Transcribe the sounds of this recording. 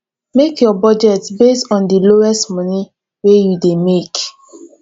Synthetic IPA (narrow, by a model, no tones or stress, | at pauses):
mekjɔbɔd͡ʒɛtbestɔ̃ndiloɛstmɔni | wejudemek